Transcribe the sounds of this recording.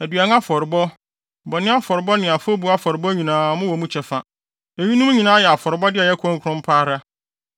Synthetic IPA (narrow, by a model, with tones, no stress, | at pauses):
æ˨dɥa˨n˦a˦fɔ˨ɾɪ˨bɔ˦ | bɔ˨nɪ̃˦a˦fɔ˨ɾbɔ˦nɪ̃˨a˨fo˦bu˨a˦fɔ˨ɾɪ˨bɔ˦ɲĩ˨nãː˨mʊ̃˦wɔ˨mũ˦t͡ɕʰɛ˨fa˨ | e˨ɥi˦nũ˦m˦ɲĩ˨nãː˦jɛ˨a˨fɔ˨ɾɪ˨bɔ˦dɪ˦ɛ˨jɛ˦kʰɔ̃˦ŋkʰʊ˦ɾʊ̃˦m̩˦pʰaː˦ɾa˦